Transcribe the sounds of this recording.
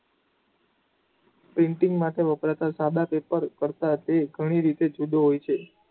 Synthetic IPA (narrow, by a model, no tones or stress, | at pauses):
pɾɪɳʈiŋɡmat̪ʰeʋəpɾat̪asad̪ʱapepəɾkəɾt̪at̪eɡʱəɽ̃iɾit̪ed͡ʒud̪ʱoɦojt͡ʃʰe